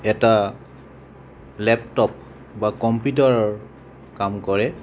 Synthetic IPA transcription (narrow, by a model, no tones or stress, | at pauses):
ɛta | lɛptɔp̚ | bakɔmput̬ɔɹɔɹ | kamkɔɹɛ